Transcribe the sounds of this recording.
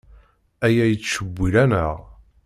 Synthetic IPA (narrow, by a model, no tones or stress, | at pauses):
æjæjət͡sːʃəbʷːiɾænəʁ